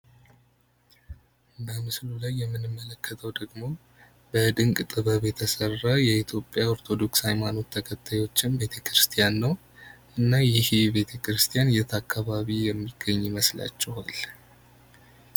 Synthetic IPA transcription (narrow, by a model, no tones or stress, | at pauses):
bəmɨslulajːɛmːɨnɨmːələkːət̪ʰəwd̪əɡmo̞ | bəd̪ɨŋkʼt̪ʼɨβəβjɛt̪ʰəsərːajɛit̪ʰjo̞pʼjao̞ɾt̪ʰo̞d̪o̞ksajmano̞t̪ʰːəkʰət̪ʰːajo̞t͡ʃːɪnbe̞t̪ʰəkʰɾɨst̪ʰijanːəw | ʔɨnːajɪhbe̞t̪ʰəkɾɨst̪ʰijanjɛt̪ʰakːaβaβijɛmːiɡ̥ːəɲːiməsla̰t͡ʃːɛha̰l